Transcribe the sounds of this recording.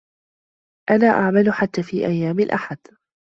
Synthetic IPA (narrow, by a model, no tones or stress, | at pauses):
ʔanaːʔaʕmalʊħat̪ːaːfiːʔajːaːmɪlʔa̰ħad̪